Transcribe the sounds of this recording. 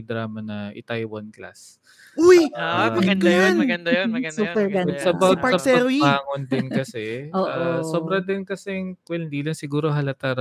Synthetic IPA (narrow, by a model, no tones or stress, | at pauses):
d̪ɾaːmɐnɐʔɪ̰t̪ajwɐnkla̰s | ujamɐɡɐnd̪ajonmɐɡɐnd̪ɐjɐnmɐɡɐnsd̪uːɛɾɡasɐbɐpaɐpsɛɐɾaːŋond̪ɪnkɐsɛʔoːʔaosoːbɾɐd̪ɪnkɐsɛŋkwɛlɪnd̪iːlɐŋsɪɡuːɾoɦɐlɐt̪aɾ